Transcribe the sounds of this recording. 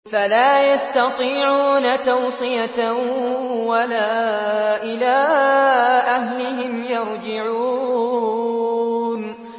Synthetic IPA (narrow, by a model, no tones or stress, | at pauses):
falaːjast̪ɑt̪ˤiːʕuːnat̪ɑwsˤɨja | walaːʔɪlaː | ʔahlɪhɪmjɑɾˤd͡ʒɪʕuː | n